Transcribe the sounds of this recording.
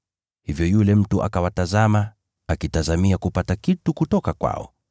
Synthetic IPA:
hivjɔjulɛm̩tuʔa̰kawatazama | akitazamiakupatakitukutɔkakwa̰ɔ̰

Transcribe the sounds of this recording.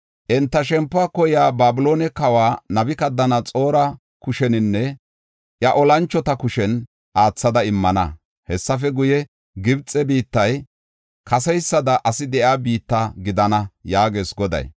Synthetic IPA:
ʔɛnt̪ːɐʃ̬ɛmpːʊaːkɔjaːbaːbʊlo̞ːnɛkɐwaːnɐbɪkɐd̪ːɐnɐt͡sʼo̞ːɾɐ | kʊʃɛnɪnːɛ | ʔjɐʔɔlɐnt͡ʃːɔt̪ɐkʊʃɛn | ʔaːt͡sːɐd̪ɐɪmːɐnɐ̰ | hɛsːɐfɛɡʊjɛ | ɡɪbt͡sʼɛbiːt̪ːɐj | kʰɐsɛjsːɐd̪ɐʔɐsɪd̪ɛʔjaːbiːt̪ːaɡɪd̪ɐnɐjaːɡeːsɡɔd̪ɐ̰j

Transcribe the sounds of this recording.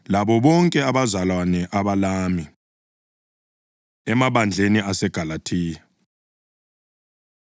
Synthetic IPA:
laɓɔɓɔŋkʼɛaɓazalwanɛʔaɓalami | ɛmaɓand͡ɮʱeniasɛɡ̥ʱalatʰiːja

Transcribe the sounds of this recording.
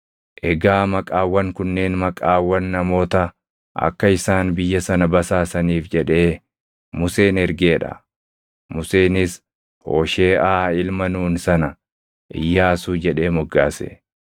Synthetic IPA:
ʔɛɡaːmɐkʼaːwːɐŋkʊnːe̞ːnmɐkʼaːwːɐnːɐmo̞ːt̪ɐ | ʔɐ̰kːɐɪsaːnbɪjːɐsɐnɐbɐsaːsɐniːfd͡ʒɛᶑe̞ː | mʊse̞ːnɛɾɡeːᶑɐ̰ | mʊse̞ːnɪs | ho̞̰ːʃe̞ːʔaːɪlmɐnuːnsɐnɐ | ʔɪ̰jːaːsuːd͡ʒɛᶑe̞ːmɔɡːaːsḛ

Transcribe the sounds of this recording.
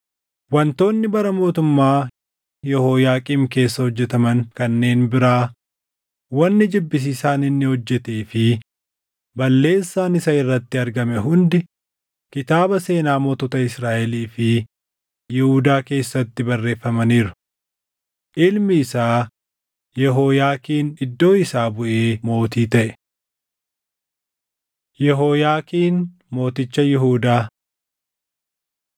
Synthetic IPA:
wɐnt̪o̞ːnːɪbɐɾɐmo̞ːt̪ʊmːaː | jɛhoːjaːkʼiːmke̞ːsːɐhɔd͡ʒːɛt̪ɐmɐŋkɐnːe̞ːnbɪɾaː | wɐnːɪd͡ʒɪbːɪs̬iːsaːnɪnːɪhɔd͡ʒːɛt̪eːfɪ | bɐlːe̞ːsːaːnɪsɐɪrːɐt̪ːɪɐɾɡɐmɛɦʊnd̪ɪ | kɪt̪aːbɐse̞ːnaːmoːt̪ɔːt̪ɐɪsɾaːʔɛliːfɪ | jɪhuːd̪aːke̞ːsːɐt̪ːɪbɐrːe̞ːfːɐmɐniːɾʊ̥ | ʔɪlmɪɪsaː | jɛɦoːjaːkiːnɪd̪ːo̞ːɪsaːbʊʔeːmo̞ːt̪iːt̪ɐʔɛ̥ | jɛɦoːjaːkiːn | mo̞ːt̪ɪt͡ʃːɐjɪɦuːd̪aː

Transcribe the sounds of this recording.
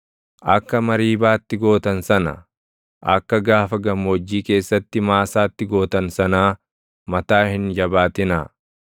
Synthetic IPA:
ʔɐkːɐmɐɾiːbaːt̪ːɪɡo̞ːt̪ɐnsɐnɐ̰ | ʔɐkːɐɡaːfɐɡɐmɔd͡ʒːiːke̞ːsːɐt̪ːɪmaːsaːt̪ːɪɡo̞ːt̪ɐnsɐnaː | mɐt̪aːhɪnd͡ʒɐbaːt̪ɪnaː

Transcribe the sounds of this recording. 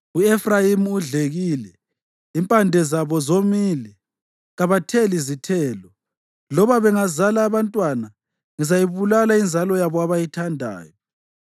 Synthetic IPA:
uefrajimuuɮeɣilɛ | impʼandʱɛzaβɔzomiːlɛ | ɣaβatʰelizitʰɛːlɔ | lɔβaβɛŋazalaːβantʼwana | ŋizajiβulalaind͡zʱalɔjaβɔaβajitʰandʱa̰ːjɔ

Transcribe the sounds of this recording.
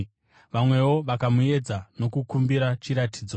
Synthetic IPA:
ʋamwe̞wo̞ʋakamue̞d͡zano̞kukumbiɾat͡ʃiɾatʰiːd͡zo̞

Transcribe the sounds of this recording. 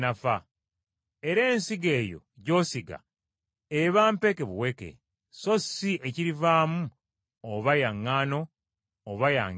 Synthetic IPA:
nafa | eɾe̞ːnsiɡe̞ːjo̰ɟo̞ːsiɡa̰ | eβaːmpe̞keβuwe̞kḛ | so̞siʔeciɾivaːmu | oβajaŋːaːno̞ː | βaja̰ːŋ

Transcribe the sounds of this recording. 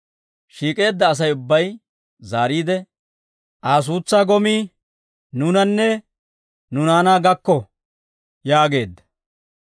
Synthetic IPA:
ʃiːkʼe̞ːd̪ːɐːs̬ɐjʊbːɐj | zaːɾiːd̪ɛ | ʔaːs̬uːt͡sːaːɡɔmiː | nʊnɐnːɛ | nʊnaːnaːɡɐkːɔ | jaːɡe̞ːd̪ːɐ̥

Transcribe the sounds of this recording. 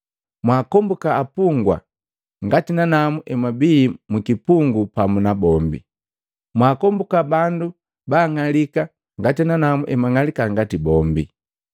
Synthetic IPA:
mwaːkɔmbukaːpuŋɡwa̰ | ŋɡatinanamuʔɛmwabiːmukipuŋɡupamunabɔmbḭ | mwaːkɔmbukabandu | baːŋalika | ŋɡatinanamuʔɛmaŋalikaŋɡatibɔmbḭ

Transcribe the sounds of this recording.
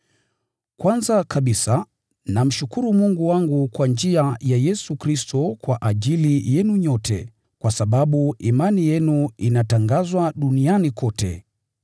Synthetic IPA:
kwanzakaɓisa | nam̩ʃukuɾumuŋɡuwaŋɡukwand͡ʒiajajɛsukɾistʰɔkwaʔaʄilijɛnuɲɔtʰɛ̰ | kwasaɓaɓuimanijɛnuinataŋɡazwaɗunianikɔtɛ̰

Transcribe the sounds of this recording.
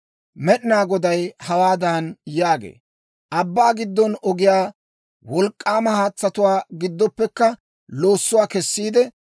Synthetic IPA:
mɛɗɪnaːɡɔd̪ɐjhɐwaːd̪ɐnjaːɡḛː | ʔɐbːaːɡɪd̪ːɔnɔɡɪjaː | wɔlkʼːaːmɐhaːt͡sːɐt̪ʊwaːɡɪd̪ːɔpːɛkːɐ | loːsːʊwaːkɛsːiːd̪ɛ

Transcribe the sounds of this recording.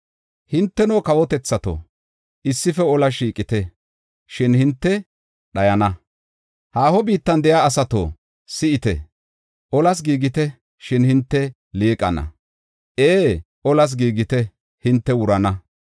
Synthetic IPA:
hɪnt̪ːɛnoːkɐwɔt̪ɛt͡sːɐt̪o̰ | ʔɪsːɪfɛɔlɐʃiːkʼɪt̪ɛ | ʃɪnhɪnt̪ːɛ | ɗɐjɐnɐ | haːhɔbiːt̪ːɐnd̪ɛjaːsɐt̪o̰ | sɪɪt̪ɛ̰ | ʔɔlɐs̬ɡiːɡɪt̪ɛ | ʃɪnhɪnt̪ːɛ | liːkʼɐnɐ̰ | ʔeː | ʔɔlɐs̬ɡiːɡɪt̪ɛ | hɪnt̪ːɛwʊɾɐnɐ

